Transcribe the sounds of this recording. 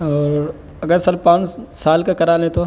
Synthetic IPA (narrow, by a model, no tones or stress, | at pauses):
ɔːɾɾ | ɐɡəɾsɐlpãːnsaːlkakɐɾaːlẽt̪o